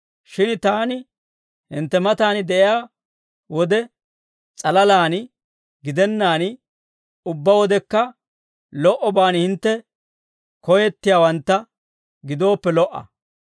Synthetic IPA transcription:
ʃɪnt̪aːnɪ | hɪ̰nt̪ːɛmɐt̪aːnɪd̪ɛʔɪjaː | wɔd̪ɛ | t͡sʼɐlɐlaːn | ɡɪd̪ɛnːaːnɪ | ʊbːɐwɔd̪ɛkːɐ | lɔʔɔbaːnhɪnt̪ːɛ | kɔjɛt̪ːɪjaːwɐnt̪ːɐ | ɡɪd̪o̞ːpːɛlɔʔːɐ̰

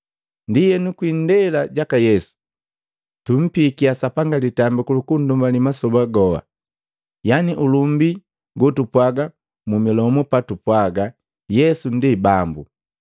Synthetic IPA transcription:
ndijɛnukwindɛlaɟakajɛsu̥ | tum̩pikiasapaŋɡalitambikulukun̩dumbanimasɔbaɡɔwa̰ | janiʔulumbi | ɡɔtupwaɡa | mumilɔmɔpatupwaɡa | jɛsundibambṵ

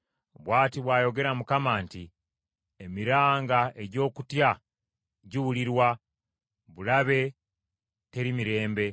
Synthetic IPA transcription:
βwaːtiβwaːjo̞ɡe̞ɾamukamaːnti | emiɾaːŋɡaʔe̞ɟo̞ːkutja | ɟiwuliɾwa | βulaβe̞ | te̞ɾimiɾe̞ːmbe̞

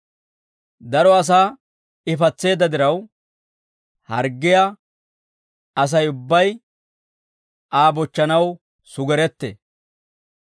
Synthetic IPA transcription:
d̪ɐɾɔɐs̬aː | ɪfɐt͡sːe̞ːd̪ɐd̪ɪɾɐw | hɐ̰ɾɡːɪja | ɐs̬ɐjʊbːɐj | ʔaːbɔt͡ʃːɐnɐw | sʊɡɛɾɛt̪ːḛ

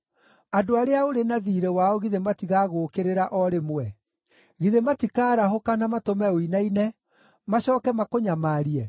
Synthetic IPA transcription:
adoaɾeaoɾenaðiːɾɛwaɔɣiðematiɣaːɣoːkeɾeɾaʔɔɾemwɛ | ɣiðematikaːɾaɦokanamatomɛoinainɛ | maɕɔːkɛmakoɲamaːɾiɛ

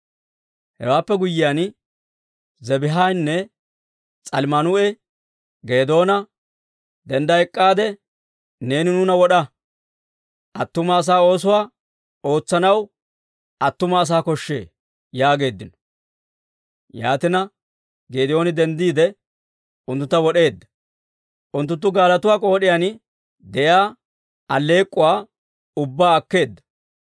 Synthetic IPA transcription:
hɛ̰waːpːɛɡʊjːɪjaːn | zɛbɪɦajnːɛ | t͡sʼɐlmɐnʊɛ | ɡeːd̪o̞ːnɐ | d̪ɛnd̪ɐɛkʼːaːd̪ɛ | ne̞ːnɪnʊnɐwɔɗɐ | ʔɐt̪ːʊmɐːs̬aːo̞ːs̬ʊwaː | o̞ːt͡sːɐnɐw | ɐt̪ːʊmɐːs̬aːkɔʃːe̞̰ː | jaːɡe̞ːd̪ːɪnɔ̥ | ja̰ːt̪ɪnɐ | ɡeːd̪ɪjo̞ːnɪd̪ɛnd̪iːd̪ɛ | ʊnt̪ʊnt̪ːɐwɔɗe̞ːd̪ːɐ̥ | ʔʊnt̪ːʊnt̪ːʊɡaːlɐt̪ʊwaːkʼo̞ːɗɪjan | d̪ɛjaː | ɐlːe̞ːkʼːʊwaː | ʊbːaːɐkːe̞ːd̪ːɐ̥

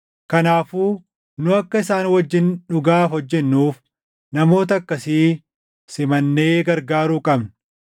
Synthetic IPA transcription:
kɐnaːfuː | nʊɐkːɐɪsaːnwɐd͡ʒːɪnᶑʊɡaːfɔd͡ʒːɛnːuːf | nɐmo̞ːt̪̬ɐɐkːɐsiː | sɪmɐnːe̞ːɡɐɾɡaːɾuːkʼɐbn

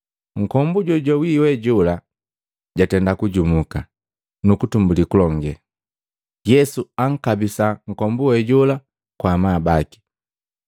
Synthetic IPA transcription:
ŋ̩kɔmbuɟɔɟɔwiwɛɟula | ɟatɛndakuɟumuka | nukutumbulikulɔŋɡɛ | jɛsuaŋ̩kabisaŋ̩kɔmbuwɛɟula | kwamaːbaki̥

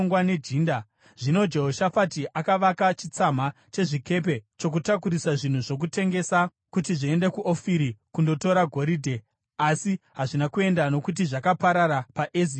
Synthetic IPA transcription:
ŋɡwane̞d͡ʒiːnda | ʐ̥ino̞d͡ʒe̞ɦoʃafatiʔakaʋakat͡ʃit͡sam̤a | t͡ʃe̞ʐike̞p̬e̞t͡ʃo̞k̬utakuɾisaʐin̤uʐo̞k̬ute̞ŋɡe̞sa | kutiʐie̞nde̞kuʔofiɾikundo̞to̞ɾaɡʱo̞ɾidʱe̞ | asiɦaʐinakue̞ndano̞kut̬iʐakapaɾaɾapaʔezi

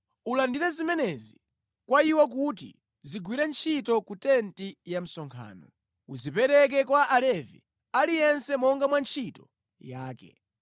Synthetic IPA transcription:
ulandiɾɛzimɛnɛzi | kwaiwak̬utḭ | ziɡwiɾɛnt͡ʃʰitɔkutɛntijam̩sɔŋkʰa̰ːnɔ | uzipɛɾɛk̬ɛkwaʔalɛvḭ | alijɛnsɛmɔŋɡamwant͡ʃʰitɔ | jaːkɛ̰

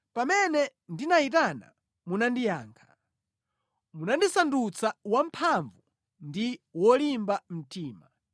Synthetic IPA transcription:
pamɛnɛndinaitana̰ | munandija̰ːŋkʰḁ | munandisandut͡sawam̩pʰaɱvu | ndiwɔlimbam̩tiːma

